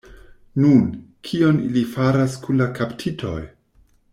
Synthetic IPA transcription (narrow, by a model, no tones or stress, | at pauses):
nun | kʰio̞nilifaɾaskunlakʰaptʰitʰo̞̰j